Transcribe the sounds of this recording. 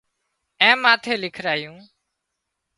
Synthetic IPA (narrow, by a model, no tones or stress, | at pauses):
ɛ̃ːmãːt̪ʰeːlɪkʰɾaːjũː